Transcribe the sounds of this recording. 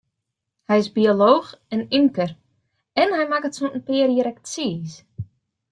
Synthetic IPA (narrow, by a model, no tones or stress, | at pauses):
hɛjɪsbioloːxɛniŋkər | ɛnhɛjmakətsontn̩pɪːəɾjəɾɛktsiːs